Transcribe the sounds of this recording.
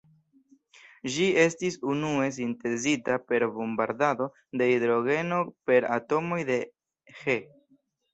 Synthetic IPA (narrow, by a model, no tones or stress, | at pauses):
ʒie̞stisunue̞s̬inte̞zitape̞ɾbombaɾdado̞ | de̞id̪ɾo̞ɡe̞no̞pe̞ɾa̰to̞mo̞jde̞ | he̞